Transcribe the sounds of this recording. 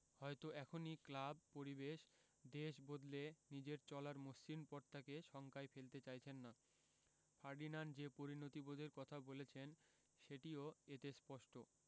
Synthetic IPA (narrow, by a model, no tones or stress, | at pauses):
hɔet̪oɛkʰoniklab̚poɾibeʃ | d̪eʃbod̪lenid͡ʑeɾt͡ɕɔlaɾmosːinpɔɾt̪ʰakeʃɔŋkaefelt̪et͡ɕajt͡ɕʰenːa | fʰaɾɖinand͡ʑepoɾinot̪ibod̪ʱeɾkɔt̪ʰabolet͡ɕʰen | ʃeʈioet̪espɔʃʈo